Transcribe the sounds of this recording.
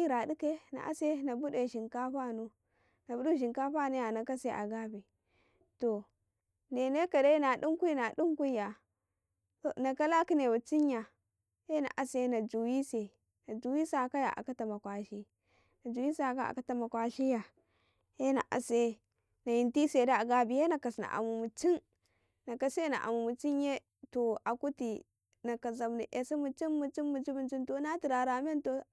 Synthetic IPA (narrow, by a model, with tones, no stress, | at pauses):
i˦ɾa˨di˦ke˦na̰˨ʔa̰˦se˦na˨bu˦de˨ʃi˨ŋka˦ɸa˦nu˦ | na˨bu˦du˦˨ʃ̬i˨ŋka˦ɸa˦˨nu˦ja˨na˨ka˦se˦ʔa̰˨ɡa˦bi˨ | to˨ | ne˨ne˦ka˨da˦na˨du˦ŋ˦kʷu˦na˨du˦ŋku˦ja˨ | o˨na˨ka˦la˦ki˦ne˨wu˨t͡si˦ɲa˨ | e˦na̰˨ʔa˨se˦na˨d͡ʒu˨wi˦se˨ | na˨d͡ʒu˨wi˦sa˨ka˦ja̰˨ʔa̰˨ka˦ta˨ma˨kwa˨ʃi˦ | na˨d͡ʒu˨wi˦sa˨ka˦a̰˨ka˦ta˨ma˨kʷa˨ʃi˦ja˨ | je˦na̰˨ʔa̰˨se˦ | na˨ji˨nti˦se˨da˦a˨ɡa˨bi˨je˦na˨ka˨sna̰˨ʔa̰˨mu˨mu˨t͡ʃi˦n | na˨ka˨se˦na̰˨ʔa̰˨mu˨mu˨t͡ʃi˦n˦je˦ | to˨a˨ku˦ti˨ | na˨ka˨za˨mni˨ʔe˨si˦mu˨t͡ʃi˦nmu˨t͡ʃi˦nmu˨t͡ʃi˦bi˨nt͡ʃi˦nto˨˦na˦ti˨ɾa˨ɾa˨me˦nto˨